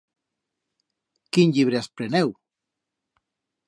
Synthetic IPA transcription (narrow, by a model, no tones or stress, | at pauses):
kinʎiβ̞ɾeaspɾenew